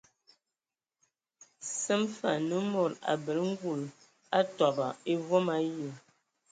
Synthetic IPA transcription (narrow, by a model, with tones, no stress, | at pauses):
sə˦mfa̰˨nə˦mo˨ɾa̰˨bə˨lŋ̩˦ɡu˨l | a˦tɔ˨ba˨e˦vwo˦ma˨jə˦˨